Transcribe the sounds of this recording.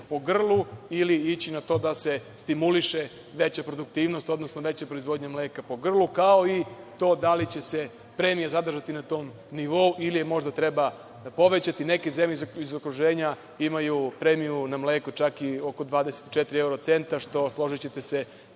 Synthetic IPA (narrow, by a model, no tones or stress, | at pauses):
po̞ɡr̩lˠuiliit͡ɕinat̪o̞ːd̪asest̪imuliʃe | ʋe̞t͡ɕapɾo̞d̪ukt̪iːʋnost̪o̞d̪nosnoʋe̞t͡ɕapɾoizʋo̞d̪ɲamleːkapo̞ɡr̩lˠukao̞it̪o̞ːd̪alit͡ɕe̞se̞ | pɾemijazad̪r̩ʒat̪inat̪o̞ːm | niʋo̞uʔilijemo̞ʒd̪at̪ɾeba | po̞ʋe̞t͡ɕat̪ine̞ke̞zemʎezoizokɾuʒeːɲa | imajupɾemijunamleːkot͡ʃakioko̞d̪ʋaːd̪ese̥t̪i̥t͡ʃet̪ɾieuɾot̪se̞nt̪aʃt̪o̞slˠo̞ʒit͡ɕet̪e̞se̞